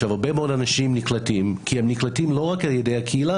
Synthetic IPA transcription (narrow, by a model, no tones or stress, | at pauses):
vaʁbemeodanaʃimniklatimkʰihemniklatimlo̞ʁakaljedejhakʰeila